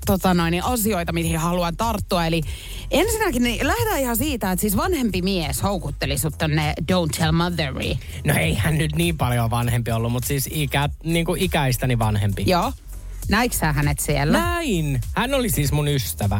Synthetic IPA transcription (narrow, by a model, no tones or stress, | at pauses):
t̪ot̪ɑnoiniʔɑsioit̪ɑmit̪hihɑluɑnt̪ɑrt̪ːuɑeli | ensinækinnilæhdæːihɑsiːt̪æet̪siːsʋɑnhempimieshoukut̪ːelisut̪t̪onːedount̪ʰːelmʌðərḭ | noeihænnyt̪niːmpɑljoʋɑnhempiolːummut̪siːsikæniːŋkuʔikæist̪æniʋɑnhempijoː | næiksæːhænet̪sielːææinhænːolisiːsmunyst̪æʋæ